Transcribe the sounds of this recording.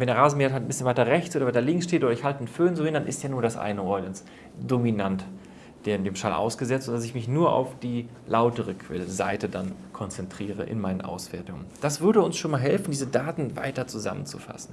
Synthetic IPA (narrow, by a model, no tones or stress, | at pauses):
vɛndeɐʁaːzəmɪhathalt̚n̩bɪsçənvaɪtɐʁɛçtt͡sʔoːdɐvaɪtɐlɪŋksʃteːtʔoːdɐɪçhaltənføːnzovɪndanʔɪ̰stjaːnuːɐɾasʔa̰ɪnəʁɔʏləns | d̥ominant | d̥emdeːmʃalʔa̰ʊsɡ̥əzɛt͡stʊnd̥as̬ɪçmɪçnuːɐʔa̰ʊfd̥iː | lʔaʊtəʁəkʰv̥ɛ̰lza̰ɪtədankʰɔnt͡sɛntʁ̥iːʁə̰ʔɪ̰nmaɪnənʔa̰ʊsv̥ɛɐtʊŋə̰nd̥asv̥ʏɐdəʊnsʃoːnmaːlɦɛlfn̩diːzədaːtn̩va̰ɪtɐt͡suza̰mənt͡sṵfa̰sn̩